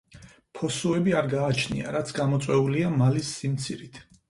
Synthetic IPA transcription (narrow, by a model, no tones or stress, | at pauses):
pʰɔsuɛbiaɾɡaːt͡ʃʰnḭa̰ɾat̪sʰɡamɔt̪sʼwɛuliamalisːimt̪sʰiɾit̪ʰ